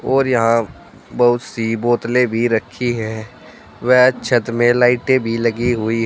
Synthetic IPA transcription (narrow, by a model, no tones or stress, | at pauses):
ɔːɾjɐɦã | bɐɦʊt̪siboːt̪lẽbʱiɾəkʰːiɦɛː | ʋɛɦt͡ʃʰət̪mẽlaːɪʈebʱilɐɡiɦʊi